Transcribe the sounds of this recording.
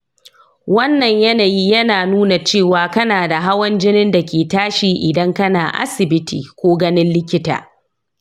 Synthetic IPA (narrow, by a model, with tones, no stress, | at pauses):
wɐ˦nːɐ˨ɲjɐ˦naː˨ji˦jɐ˦naː˨nuː˦na˨t͡ʃeː˦˨waː˨kɐ˦naː˨da˨ɦa˦wɐ˦nd͡ʒɪ˦nɪ˦nda˨kʲeː˨taː˦ʃiː˨ʔɪ˨dɐ˦ŋkɐ˦naː˨ʔa̰˦sɪ˨bɪ˦tʰḭː˨kʷoː˦ɡɐ˦nɪ˦nlɪ˦kʲɪ˦ta̰ː˨